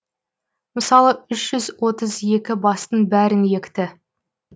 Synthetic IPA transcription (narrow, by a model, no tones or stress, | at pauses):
məsɑlˠəʏʃʒ̥ʏzwo̞t̪əze̞kʲɪbɑst̪ənbæɾɪŋje̞kʲt̪ɪ